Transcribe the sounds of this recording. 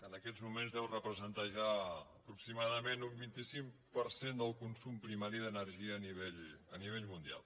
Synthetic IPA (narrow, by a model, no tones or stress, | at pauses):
kənəkɛzmumenzðɛwrəpɾəzənt̪aʒaəpɾuksimaðəmenumbint̪isiŋ | pəɾsend̪əlˠkunsumpɾimaɾiðənəɾʒiəːniβɛʎəniβɛʎmund̪ia̰lˠ